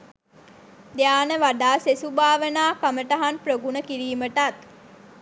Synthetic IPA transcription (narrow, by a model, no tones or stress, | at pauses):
d̪ejaːnəʋaɖaːsesubaːʋənaːkaməʈaɦanprəɡunəkiɾiːməʈat̪̚